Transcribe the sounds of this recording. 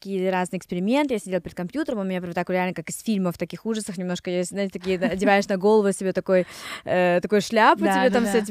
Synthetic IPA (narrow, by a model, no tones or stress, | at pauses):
ɐkʲijəɾaznɨjɪksʲpʲɪɾʲɪmʲe̞nt̪ɨjasʲɪdʲelˠpɪɾɪd̪kɐmʲpʲjut̪əɾəmʊmʲɪnʲapvot̪akɾʲɪalʲnəkakɨsfʲilʲməft̪ɐkʲixuʐəsəxnʲɪmno̞ʂkəjeznaɪtʲɪt̪ɐkʲijəɐdʲɪvajɪʂnɐɡo̞lˠəvʊsʲɪbʲet̪ɐko̞jət̪ɐko̞jʊʂlʲapʊtʲɪbʲet̪amfsʲetʲɪ